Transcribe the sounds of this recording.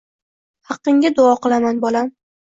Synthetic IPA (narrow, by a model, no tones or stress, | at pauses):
hɑqːɪŋɡʲad̪ʊɒqɨlˠamanbɒlam